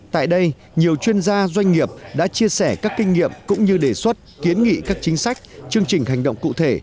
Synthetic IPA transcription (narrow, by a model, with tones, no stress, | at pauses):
t̪a̰ː˧˨jɗə˧j | ɲi˨˩əwt͡ɕwi˧ənzaː˧zwa˧jŋ̟ŋi˨˩əp̚ɗa̰ː˧˥t͡ɕi˧əsɛ˧˩kaː˦˥kːï˧ŋ̟ːŋḭ˧˨əmkʊ̰˧˥ŋ͡mɲɨ˧ɗe˨˩swə˦˥t̚ki˨˦ənŋḭ˧˨kaː˦˥k̚t͡ɕï˨˦ŋ̟sa˦˥jk̟̚t͡ɕɨ˧əŋt͡ɕï˨˩ŋ̟hɦa˨˩jŋɗə̰˧˨ŋ͡mkṵ˧˨t̪ʰe˧˩